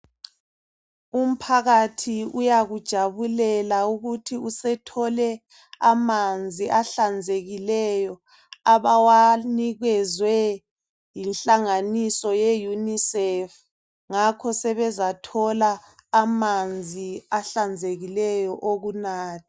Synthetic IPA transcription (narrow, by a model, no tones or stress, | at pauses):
um̩pʰaɣatʰiujaɣud̥ʒ̥ʱaβulɛlauɣutʰiusɛtʰɔlɛ | amand͡zʱiʔaɬand͡zʱeɣilɛjɔ | aβawaniɣɛzwɛ | jinɬaŋanisɔjejunisɛf | ŋakʰɔsɛβɛzatʰɔlaːmand͡zʱiaɬand͡zʱeɣilɛjɔʔoɣunaːtʰi̥